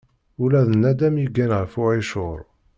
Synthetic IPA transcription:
ʊlæðənːæd̪æmjiɡːænʁfʊʕiʃʊɾˤ

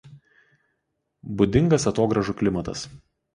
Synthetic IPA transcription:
bʊd̪ʲɪŋɡɐsɐt̪oːɡɾɐʒuˑkʲlʲɪmɐt̪ɐ̰s

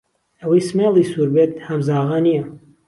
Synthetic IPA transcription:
ɐwɐjsmeːlˠiːsuːɾbeːt̪̚hɐmzaɑːɣɐnijɐ

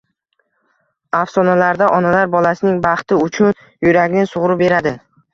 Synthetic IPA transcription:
afsɒnalaɾd̪aʔɒnalaɾbɒlasɪnɪŋbɑχt̪ɪʊt͡ʃʰʊn | jʊɾaɡʲnɪsʊʁɾʊbe̞ɾad̪ɪ

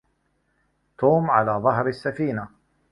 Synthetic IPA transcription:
t̪uːmʕalaːðˤɑɦɾasːafiːna

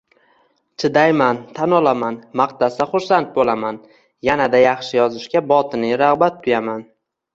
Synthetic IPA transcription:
t͡ʃʰɪd̪ajmant̪ʰanɒlamanmaqt̪asaχʊɾsant̪̚bolaman | janad̪ajɑχʃɪjɒzɪʃkʲabɒt̪ʰɪnɪɾɑʁbat̪ːʰʊjaman

